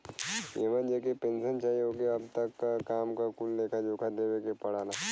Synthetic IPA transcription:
jeːmənd͡ʒekepẽːnsənt͡ʃaːiɦoːkeɐb̚t̪ɐkːakaːmkakulːeːkʰad͡ʒoːkʰad̪ewekepɐɽ̤aːlaː

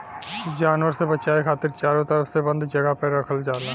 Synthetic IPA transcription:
d͡ʒaːnwəɾsebɐt͡ʃaːekʰaːt̪ɪɾt͡ʃaːɾõt̪əɾəfsebɐ̃nd̪d͡ʒɐɡəpeɾɐkʰəld͡ʒaːlaː

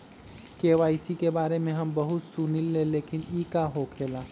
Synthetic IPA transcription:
keːʋaːisikebaːɾemẽɦɐmbɐɦʊt̪suːnɪlːẽleːkɪniːkaɦokʰeːlaː

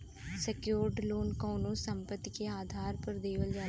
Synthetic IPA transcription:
sɛkjoːɾɖloːnkɔːnõsə̃mpət̪ːikeaːd̪ʱaːɾpəɾd̪eːʋəld͡ʒaː

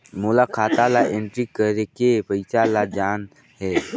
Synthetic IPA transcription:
moːlakʰaːt̪alaẽɳʈɾikəɾekepəɪsalad͡ʒaːn | ɦɛː

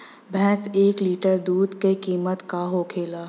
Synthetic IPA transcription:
bʱɛ̃ːseːkliːʈəɾd̪uːd̪kekiːmət̪kaɦokʰeːlaː

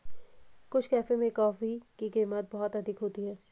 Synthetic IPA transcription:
kʊt͡ʃʰkɛːfemẽkɔːfikikeːmət̪̚bɔɦɔt̪ɐd̪ʱɪkɦoːt̪iɦɛː

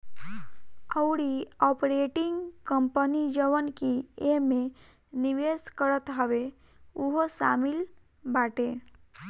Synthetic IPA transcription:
əʊɽiɔpɾeʈiŋɡkəmpənid͡ʒəʋənkieme | niʋeskəɾət̪ɦəʋe | uɦosamil | baʈe

